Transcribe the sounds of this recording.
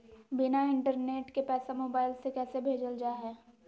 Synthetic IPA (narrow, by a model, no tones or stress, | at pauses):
bɪnaɪ̃ɳʈəɾneːʈkepɛːsamoːbaːɪlsekɛːsebʱeːd͡ʒəld͡ʒaːɦɛː